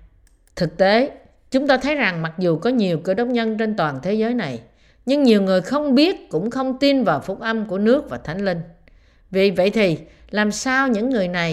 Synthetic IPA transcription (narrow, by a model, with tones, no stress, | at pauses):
t̪ʰɨ˨˩k̚t̪e˨˦ | t͡ɕʊ˨˦ŋ͡mt̪aː˧t̪ʰə˨˦jza˨˩ŋma˨˩k̚zu˨˩kɔ˨˦ɲi˨˩əwkɨ̰˧˩ɗə˦˥wk͡p̚ɲə˧nt͡ɕe˧nt̪waː˨˩nt̪ʰe˨˦zəː˨˦jna˨˩j | ɲɨ˧ŋɲi˨˩əwŋɨ˨˩əjxə˧wŋ͡mɓi˦˥ət̚kʊ̰˧˥ŋ͡mxə˧wŋ͡mt̪i˧nvaː˨˩wfʊ˧˩k͡p̚ʔə˧mku˧˩ənɨ˦˥ək̚vaː˨˩t̪ʰa˨˦jŋ̟lï˧ŋ̟ | vḭ˧˨və̰˧˨jt̪ʰi˨˩ | laː˨˩msaː˧wɲɨ̰˧˥ŋːɨ˨˩əjna˨˩j